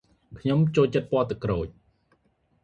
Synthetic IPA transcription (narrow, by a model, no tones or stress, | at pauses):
kʰɲomt͡ɕoːlt͡ɕət̪̚pŏəlt̪ɨkroːc̚